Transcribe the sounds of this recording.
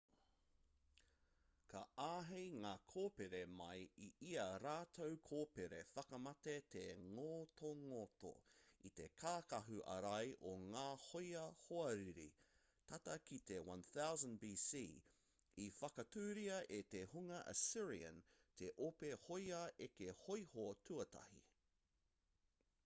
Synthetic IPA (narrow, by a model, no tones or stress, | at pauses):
kʰɐ̰ʔaːɦejŋaːkʰoːpeɾemɐjiiɐɾaːt̪ʰowkʰoːpeɾefɐkɐmɐt̪et̪ʰeŋoːtʰoŋoto̰it̪ekʰaːkɐɦʉʔɐ̰ɾɐjʔoŋaːhojɐhoɐɾiɾḭ | t̪ʰɐtɐkit̪ewɐ̃nθawzə̃nbiːsiː | ifɐkɐtʰʉːɾiɐʔet̪ehuŋɐʔɐ̰siɹiə̰̃ntʰeʔopehojɐʔekehojhotʰuɐtʰɐ̰hḭ